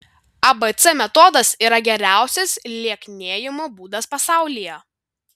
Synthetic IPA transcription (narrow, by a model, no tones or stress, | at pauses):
ɐbɛt̪sɛmʲɛt̪ɔd̪ɐsiːɾɐɡʲɛɾʲæˑʊsʲɛslʲiɛknʲeːjɪmoːbuːd̪ɐspɐsɑˑʊlʲijɛ